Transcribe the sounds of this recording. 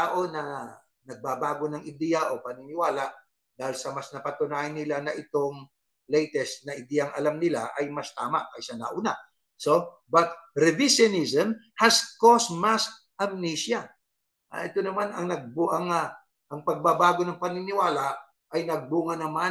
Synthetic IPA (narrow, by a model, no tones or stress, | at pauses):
aʔo̞nɐ | nɐɡ̚babaːɡo̞nɐŋɪd̪ɛjɐʔo̞pɐnɪnɪwaːlaʔ | d̪aːhɪlsɐmɐsnɐpɐt̪ʊnaːhɪnːɪlanɐʔɪt̪o̞ŋ | lɛjt̪ɛst̪̚nɐʔɪd̪ɛːjɐŋʔɐ̰lamnɪla̰ʔɐjmɐst̪aːma̰ʔkɐsɐna̰ʔʊna | so̞ | bɐt̪̚ɾɛvɪʃjonizɛmhɐskosmɐs | ʔɐmnisjɐ | ʔɐ̰ʔɛt̪o̞nɐmanɐŋnɐɡ̚buʔɐŋɐ | ʔɐŋpɐɡ̚babaːɡo̞nɐŋpɐnɪnɪwaːlaʔ | ʔɐjnɐɡ̚buːŋɐnɐma